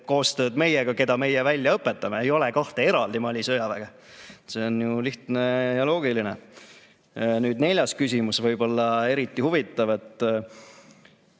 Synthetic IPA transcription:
ko̞ːst̪ø̞ːd̪me̞jɛɡ̥ɑke̞d̪ɑme̞jɛvælʲjɑɤpːˑe̞t̪ːˑɑmeejo̞lekɑht̪e̞eɾɑld̪imɑlʲisø̞jɑvæɡ̥ɑ | se̞onjuliht̪ne̞jɑlo̞ːɡilinḛ | nyːd̪ne̞lʲjɑskys̬ʲimusvɤjbo̞lːɑe̞ɾit̪ˑːihuvit̪ːˑɑve̞t̪ːˑ

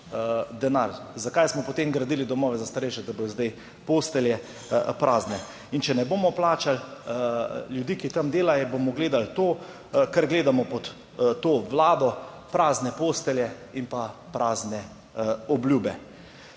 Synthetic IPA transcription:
d̪ɛna̰ɾzakajsmɔpɔt̪emɡɾad̪iːlid̪ɔmɔːʋɛzast̪aɾɛjʃɛd̪abod̪ɔzd̪aj | poːst̪ɛljɛ | pɾʔaːznɛ | int͡ʃɛnɛboːmɔplaːt͡ʃal | ljud̪iːkit̪amd̪eːlajɔbomɔɡleːd̪alt̪oː | kaɾɡleːd̪amɔpɔt̪ | t̪ːoːʋlaːd̪ɔ | pɾaːznɛpoːst̪ɛljɛ | inpapɾaːznɛ | ɔblʲjuːbɛ

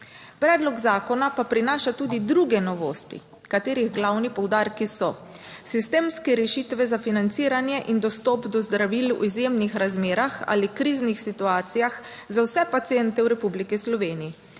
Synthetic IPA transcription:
pɾɛːd̪lɔɡzaːkɔnapapɾinaːʃat̪ud̪id̪ɾuɡɛnɔʋo̰ːst̪ḭ | kat̪eːɾiɣɡlawnipɔwd̪aːɾkisɔ | sist̪eːmskɛɾɛʃit̪ʋɛzafinant̪siːɾanjɛʔind̪ɔst̪ɔpd̪ɔzd̪ɾaʋilṵizjemnixɾazmeːɾaxa̰ːlikɾiːznixsit̪uaːt̪sijax | zawsɛpat̪siɛnt̪ɛwɾɛpublikislɔʋeːniji

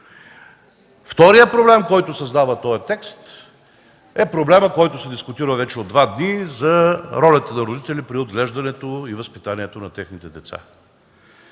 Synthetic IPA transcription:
ft̪ɔɾijəpɾoblɛmkɔjt̪ʊsɐzd̪avət̪ɔjɐt̪ɛkst̪ | ɛpɾoblɛməkɔjt̪ʊsɛd̪iskʊt̪iɾəvɛt͡ʃɛod̪vad̪nizɐɾɔlʲət̪ənɐɾod̪it̪ɛlipɾiod̪ɡlɛʒd̪ɐnɛt̪oivəspit̪aniɛt̪onɐt̪ɛxnit̪ɛd̪ɛt̪sa̰

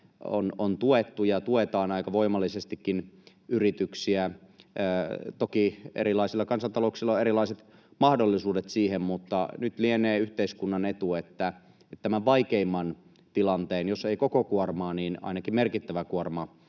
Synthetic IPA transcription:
o̰nont̪uet̪ːujɑt̪uet̪ɑːnɑikɑʋoimɑlːisest̪ikːin | yrit̪yksiæː | t̪okiḛɾilɑisilːɑkɑnsɑnt̪ɑloksilːɑeɾilɑiset̪ | mɑhdolːisuːdet̪siːhemmut̪ːɑ̰nyt̪lieneːyht̪eiskunːɑnet̪uet̪ːæ | et̪t̪æmæʋʋɑikeimːɑn | t̪ilɑnt̪eːnjoseikokokuormɑːniːnɑ̰inɑkimmerkit̪ːæʋækuormɑ

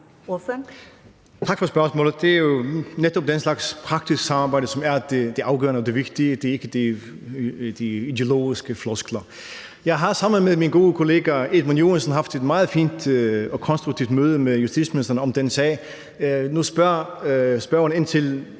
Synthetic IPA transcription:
oføn | t͡sʰɑ̈ɡ̥fɒ̽sb̥ɶɐsmɔ̰ːlð̩ˠd̥e̝æɐjo̝ned̥ɒ̽b̥̚d̥enslɑ̈ɡ̥spʰʁɑ̈ɡ̥d̥isɡ̥sɑ̈mɑ̈ːb̥ɑ̈ɪdəsɒ̽mæɐd̥ed̥e̝ʔɑ̈ʊɡ̥œ̰ɐnəɒd̥eʋe̝ɡ̥̚d̥iəd̥e̝ɐe̝ɡ̥əd̥i | d̥iid̥e̝o̝lo̝̰ːisɡ̥əflɔsɡ̥lɐ | jɑ̈ɪɦɑ̈sɑ̈m̰n̩meðˠminɡ̥o̝ːðəkʰo̝le̝̰ːɡ̥æeðˠmænjo̝̰ːænsən̩ɦɑ̈fd̥e̝d̥mɑ̈ːð̞̩ˠfḭːnd̥ɒ̽kʰɒ̽nsd̥ʁuɡ̥̚t͡sʰiʊd̥møːð̞ˠəmeðjusd̥ḭ̥sminisd̥ʁɐnəɒ̽md̥ensɛ̰ː | nusb̥ɶɐsb̥ɶɐone̝nt͡sʰe̝l

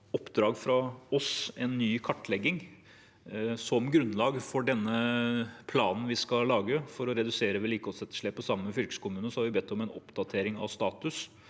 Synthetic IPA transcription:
ɔpːd̪ɾɑːɡfɾɑɔsɛnːyːkʰɑʈːlɛɡːɪŋ | sɔmɡɾʉnːlɑːɡfɔɖɛnːəpʰlɑːnn̩ʋɪskɑlɑːɡəfɔɾɔɾɛd̪ʉseːɾəʋɛliːkɔsɛt̪ːə̥ʂɭɛːpːɔsɑmːəfʏlkə̥skʊmʉːnəsɔhɑɾʋɪbɛt̪ʰːɔmɛnɔ̰pd̪ɑt̪ʰeːɾɪŋɑ̰ʋst̪ɑːt̪ʉs

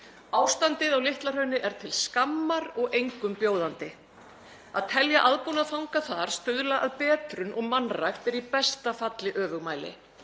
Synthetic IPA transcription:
aːwst̪ant̪ɪðawlɪht̪lar̥œːɥnɪʔɛɾ̥t̪ʰɪlskamːaɾɔɣejŋkʏmpjoːwðant̪ɪ | aðt̪ʰɛljaʔaðpunaðfawŋkaθaɾ̥st̪ʏðlaʔaðpɛːt̪ɾʏnʔɔɣmanrajxt̪ɛɾipɛst̪afat̪lɪʔœːvʏɣmaːjlɪ̰

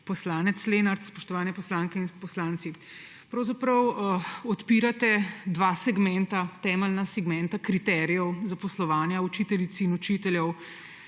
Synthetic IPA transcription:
pɔslaːnɛt̪slenaɾt̪spɔʃt̪ɔʋaːnɛpɔslaːŋkɛinpɔslaːnt̪si | pɾɐwzapɾɐwɔt̪piɾat̪ɛd̪ʋasɛɡmɛnt̪at̪ɛːmɛlnasɛɡmɛ̃nt̪akɾit̪ɛːɾijɛwzapɔslɔʋaːnjaut͡ʃiːt̪ɛlit̪sinut͡ʃit̪ɛljɛw

